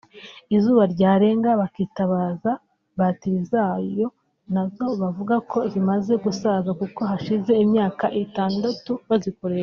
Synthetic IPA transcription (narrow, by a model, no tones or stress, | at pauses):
izuːβaɾɟaːɾe̞ːŋɡaβakitaβaːza | βatiɾizajo̞ | nazo̞βavuɡakʰo̞zimaze̞ɡusazakuko̞ɦaʃize̞imɲaːkaʔitaːndatuβazikoɾe̞ɾa